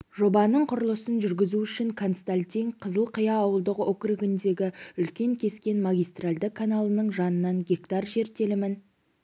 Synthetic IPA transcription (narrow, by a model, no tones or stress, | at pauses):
ʒ̥o̞bɑnəɴqʰʊɾəlˠəsənʒʏɾɡʲɪzuʏʃɪŋkʰonst̪anʲt̪ʲiŋqʰəzəlˠqʰəjɑːwəlˠd̪əqokriɡʲɪnd̪e̞ɡʲɪʏlkʲe̞ŋkʲʰe̞skʲe̞nmaɡʲijst̪ralʲd̪ɪkʰːanalˠənəɴʒɑnənːɑŋɡʲe̞kt̪ɑrʒe̞ɾt̪e̞lɪmɪn